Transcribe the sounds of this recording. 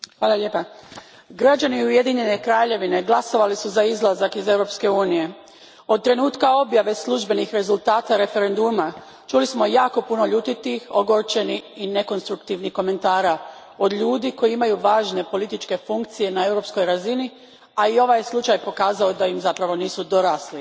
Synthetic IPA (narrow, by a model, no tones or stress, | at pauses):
xʋaːlˠaʎepa | ɡɾad͡ʑaniuje̞d̪iɲe̞ne̞kɾaːʎe̞ʋine̞ɡlˠaso̞ʋalisuzaizlˠazakize̞wɾo̞pske̞uːnije̞ | o̞d̪̚t̪ɾe̞nuːt̪kao̞bjaʋe̞slˠuʒbe̞nixɾe̞zulˠt̪aːt̪aɾe̞fe̞ɾe̞nd̪uma | t͡ʃulismo̞jaːko̞puno̞ʎuːt̪it̪ixo̞ɡo̞ɾt͡ʃe̞niine̞ko̞nst̪ɾukt̪iʋnihko̞me̞nt̪aːɾa | o̞d̪ʎuːd̪iko̞jiimajuʋaːʒne̞po̞lit̪it͡ʃke̞fuŋkt̪sije̞nae̞wɾo̞psko̞jɾazini | aio̞ʋajslˠut͡ʃajpo̞kaːzaod̪ajimzapɾaʋo̞niːsud̪o̞ɾaːsli